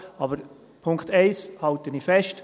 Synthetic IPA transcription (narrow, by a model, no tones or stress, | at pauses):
ɑːbəɾ | pʰʊŋktɛɪshɑltənifɛʃt